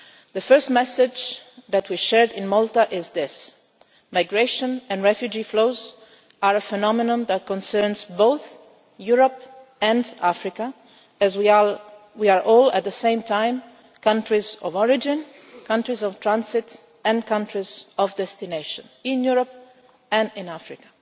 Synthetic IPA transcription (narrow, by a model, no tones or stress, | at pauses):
ðəfɜ˞stmɛsɪd͡ʒðæt̚ʰwiʃɛɹdɪ̃nmɔlˠtaʔɪzðɪs | majɡɹeɪʃə̃nɛ̃nɹɛfjud͡ʒifloʊz | aɹəfɛnɔmɪnɔ̃nðæt̚kɔ̃nsɜɹnzboʊθ | juɹəp | ɛ̃ndafɹɪka | ɨzw | wiəɹʔɔlæ̰t̪̚dðəsẽɪ̃mtʰãɪ̃m | kʌ̃ntɹizɔ̰vɔɹɪd͡ʒɪ̃n | kʰʌ̃ntɹizɔv̥tʰɹãnsɪt | ɛ̃nkʌ̃ntɹizɔvd̪ɛst̪ineɪʃɔ̃nɪ̃njuɹəp̚ | ɛ̃nɪ̃næfɹɪkḁ